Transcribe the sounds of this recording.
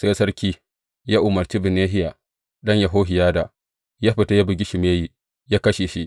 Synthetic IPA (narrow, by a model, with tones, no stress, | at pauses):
se˦jsɐ˦rkʲiː˦ | jaː˦ʔʊ˨mɐ˨rt͡ʃi˦bɪ˨neː˦ɦɪ˦ja˨ | ɗɐ˦ɲja˨ɦoː˦ɦɪ˨jaː˦da˨ | jaː˦ɸɪ˨ta˦ja˦bɪ˨ɡʲɪ˦ʃɪ˨meː˦jiː˦ | jaː˦kɐ˦ʃe˨ʃi˦ʔ